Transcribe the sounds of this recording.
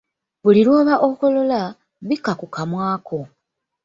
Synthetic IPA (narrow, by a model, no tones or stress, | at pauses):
βulilwoːβaʔokolo̞la | βikːakukamwaːkʰo̞